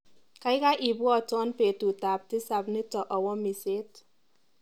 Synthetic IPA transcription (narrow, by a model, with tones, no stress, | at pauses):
ka˦ɪ˦ka˦ʔi˨bwɔ˦˨tɔ˦npe˨tu˨ta˨p̚tɪ˦sa˨bnɪ˦tɔ˨ʔɔ˨wɔ˦mi˨se˦t̚